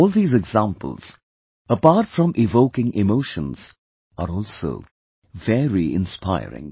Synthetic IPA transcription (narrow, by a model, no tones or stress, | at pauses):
ɔlˠd̪iːzɛɡzãmpə̰lˠz̥ | əpaːɾʈfɹʌ̃mʔɪvoʊkɪ̃ŋʔɪmoʊʃə̃nz̥ | əɾɔːlˠso̰ʊ | vɛɹiɪ̰̃nspʰaɪɾɪ̰̃ŋ